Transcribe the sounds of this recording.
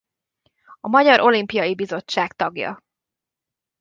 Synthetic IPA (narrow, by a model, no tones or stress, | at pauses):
ɒmɒɟɒɾʔo̞limpijɒjibizo̞t͡ʃːaːkt̪ɒɡjɒ̰